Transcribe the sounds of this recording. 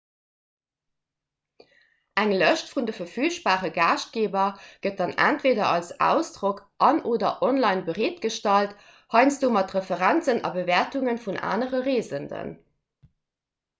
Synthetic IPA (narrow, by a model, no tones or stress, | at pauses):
ʔæŋləʃtfundəfɐɐfyːʃb̥aːʁəɡaːʃt̚ɡ̥eːbɐɡ̥ət̚dɑnæ̰ntv̥eːdɐɑlsæ̰ːʊsd̥ʁokʔɑnʔoːdɐ̰ʔɔnlɑɪnbəʁeːtɡ̥əʃtɑlt | hɑɪnsd̥oːmɑtʁəfəʁænt͡sənɑ̰bəvɛːɐtuŋənfunʔa̰ːnəʁəʁeːzəndə̰n